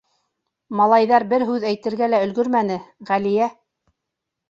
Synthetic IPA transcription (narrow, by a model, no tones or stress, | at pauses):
mɑlˠɑjðɑɾbɘɾɦʉðæjt̪ɘ̆ɾɡælæɵ̆lɡɵɾmæn̪ɘʁælijæ